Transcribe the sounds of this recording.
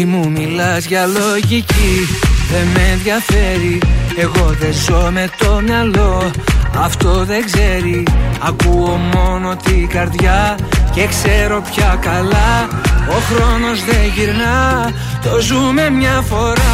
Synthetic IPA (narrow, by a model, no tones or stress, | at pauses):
mumilɐzʝɐloʝiciðe̞menðjɐfe̞ɾie̞ɣo̞ðe̞zo̞me̞t̪o̞mɲɐlo̞ɐft̪o̞ðe̞ɡze̞ɾiɐkuo̞mo̞no̞t̪iɡɐɾðʝɐce̞kse̞ɾo̞pçɐkɐlɐo̞xɾo̞no̞zðe̞ʝiɾnɐ | t̪ozume̞mɲɐfo̞ɾɐ